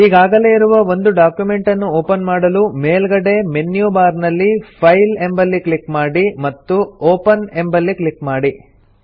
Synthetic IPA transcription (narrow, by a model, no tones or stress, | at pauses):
iːɡaːɡɐle̞ːiɾuʋɐʋo̞nd̪uɖaːkjume̞ɳʈɐnːuoːpɐnmaːɽɐlume̞ːlɡɐɽe̞me̞nːjuːbaːɾnɐlːipʰɐjlembɐlːikɭikmaːɽimɐt̪ːuoːpɐne̞mbɐlːiklikmaːɽi